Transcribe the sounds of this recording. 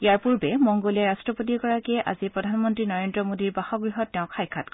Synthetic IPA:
ijaɹpuɹbɛmɔŋɡolɛɹastɹɔpot̬ikɔɹakɛʔa̰zipɹɔdʱanmɔntɹinɔɹendɹɔmodiɹbaxɔɡɹiɦɔtːɛʊ̃kʰajkʰat̚k

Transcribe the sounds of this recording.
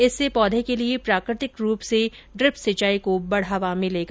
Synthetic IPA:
ɪsːepɔːd̪ʱekeliepɾaːkɾɪt̪ɪkɾuːpseɖɾɪpsɐt͡ʃaːikobɐɽ̤aʋamɪleːɡa

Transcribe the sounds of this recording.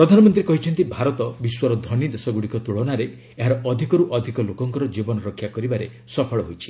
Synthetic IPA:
pɾɔd̪ʱanɔmɔnt̪ɾikɔɦit͡ʃʰɔnt̪ibʱaɾɔt̪ɔbiswɔɾɔd̪ʱɔnid̪esɔɡuɽikɔt̪uɭɔnaɾe | eɦaɾɔʔɔd̪ʱikɔɾuʔɔd̪ʱikɔlokɔŋkɔɾɔd͡ʒibɔnɔɾɔkʰːjakɔɾibaɾe | sɔpʰɔɭɔɦojt͡ʃʰi̥

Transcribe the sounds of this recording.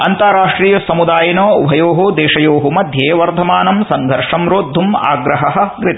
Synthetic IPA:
ɐnt̪aːɾaːʂʈɾiːjɐsɐmud̪aːjɐnoːʋʱɐjoːɦud̪eːʂɐjoːɦumɐd̪ʱjeːʋɐɾd̪ʱɐmaːnɐmsɐŋɡʱɐɾʂɐmɾoːd̪ʱːuma̰ːɡɾɐɦɐɦɐ̆ɡɾit̪ɐ

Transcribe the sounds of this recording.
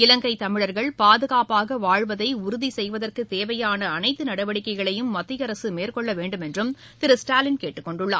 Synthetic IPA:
ɪlɐŋɡɐɪt̪ɐmɪɻɐɾɣɐɭpaːðɯɣaːpaːɣɐʋaːɻʋɐðɐɪʊɾʊðisɛjʋɐðɐrkɯt̪eːʋɐjaːnɐːnɐɪt̪ːɯnɐɽɐʋɐɽɪkːɐɪɣɐɭɐjɯmːɐt̪ːɪjɐɾɐsɯmeːrkɔɭːɐʋeːɳɖɯmɛndrɯm | t̪ɪɾɯsʈaːlɪnkeːʈːɯkːɔɳɖɯɭːa̰ː

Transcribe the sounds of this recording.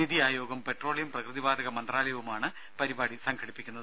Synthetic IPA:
iðiaːjoːɡɐmpe̞ʈro̞ːɭijɐmprɐkrɨðibaːd̪ɐɣɐmɐndraːlɐjʋumaːɳɨ | pɐɾibaːɽisɐŋkʰɐɽipːikʲːunːɐðɨɨ

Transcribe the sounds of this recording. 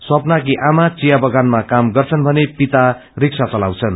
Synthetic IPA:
swʌpnak̬iʔamat͡sijabʌɡanmakamɡʌrt͡sʰʌnbʱʌnepit̪a | riksat͡sʌlawt͡sʰʌn

